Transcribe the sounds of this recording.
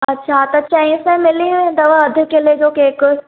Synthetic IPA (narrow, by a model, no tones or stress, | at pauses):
ɐtːɕʰat̪ɐːt͡ɕɐĩsẽmɪlĩʋẽːnd̪ɐʋɐɐd̪ʱɪkelied͡ʒoːkeːk